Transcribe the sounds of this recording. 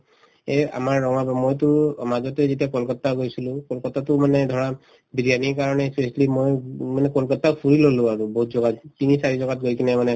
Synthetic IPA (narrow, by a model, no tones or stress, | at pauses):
ea̰maɹːɔŋabɔmojtʊɹɔmazɔtɛzet̬ijakɔlkɔtːaɡojsilʊ̃kɔlkɔtːatʊmanɛdʱɔɹa | bidijanikaɹɔnɛspeslimojmanɛkɔlkɔtːapʰuɹilolʊ̃aɹubɔɦutzɔɡattinisaɹizɔɡat̚ɡojkinɛmanɛ